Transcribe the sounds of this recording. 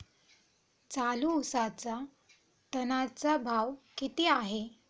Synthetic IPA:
t͡saluusat͡sa | t̪ənat͡sabʱaʋkit̪eaɦe

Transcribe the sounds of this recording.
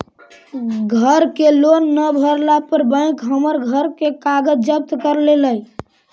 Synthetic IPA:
ɡʱəɾkelonːəbʱəɾlapəɾbə̃ɪ̃kɦəməɾɡʱəɾkekaɡəd͡ʒd͡ʒəp̚t̪kəɾleləj

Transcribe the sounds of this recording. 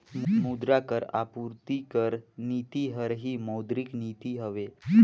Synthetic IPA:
mud̪ɾakəɾa̰puɾt̪ikəɾnit̪iɦəɾɦiːməwd̪ɾiknit̪iɦəʋe

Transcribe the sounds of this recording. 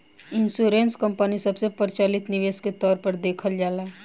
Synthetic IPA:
ɪnsuːɾẽːnskə̃mpənisɐbsepəɾt͡ʃaːlɪt̪nɪʋeːsket̪ɔːɾpəɾd̪eːkʰəld͡ʒaːlaː

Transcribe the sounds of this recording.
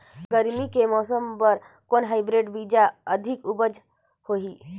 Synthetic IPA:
ɡəɾmikemɔːsəmpəɾ | konɦaɪbɾeɖbid͡ʒaəd̪ʱikubəd͡ʒ | hoɦi

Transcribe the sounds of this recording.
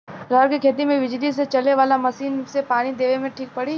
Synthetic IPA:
ɾəːɾkikʰeːt̪̬imẽʋɪd͡ʒlis̬et͡ʃɐleʋaːlamɐsiːnsepaːnid̪eːʋemẽʈʰiːk̚pɐɽi

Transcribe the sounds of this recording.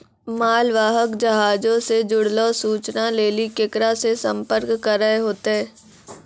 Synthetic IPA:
maːlʋaːɦəkd͡ʒɐɦaːd͡ʒõsed͡ʒʊɽloːsuːt͡ʃnaleːlikɪkɾasesə̃mpəɾkːəɾəɦeɦoːt̪eɦɛː

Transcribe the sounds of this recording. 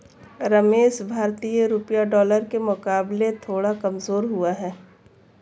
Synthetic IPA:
ɾɐmeːʃbʱaːɾt̪ijəɾʊpjaɖɔːləɾkemʊkaːblet̪ʰoːɽakɐmzoːɾɦʊaɦɛː

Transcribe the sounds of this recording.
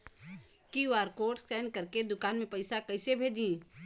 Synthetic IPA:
kiʋaːɾkoːʈsɛːnkɐɾked̪ʊkaːnmẽpɐɪsakɐɪsebʱed͡ʒĩ

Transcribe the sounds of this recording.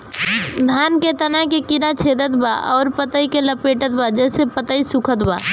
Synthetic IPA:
d̪ʱaːnket̪ɐnakekɪɾat͡ʃʰeːd̪ət̪ba̰ʔɔːɾpət̪əikeləpeːʈət̪̚bad͡ʒɛːsepət̪əisʊkʰət̪baː

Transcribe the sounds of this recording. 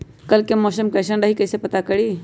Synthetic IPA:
kəlkemɔsəmkəjsənɖəɦikəjsepət̪akəɽi

